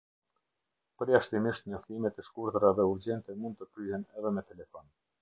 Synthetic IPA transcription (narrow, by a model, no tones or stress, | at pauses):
pəɾjaʃt̪imiʃt̪ɲɔht̪imɛt̪ɛskuɾt̪ɾaðɛuɾd͡ʑɛnt̪ɛmund̪̚t̪əkɾyɦɛnɛðɛmɛt̪ɛlɛfɔn